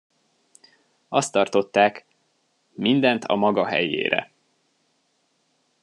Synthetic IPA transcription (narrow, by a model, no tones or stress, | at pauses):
ɒst̪ːɒrt̪o̞t̪ːaːk | mind̪ɛnt̪ʰɒ̰mɒɡɒɦɛ̰jḛːɾɛ̰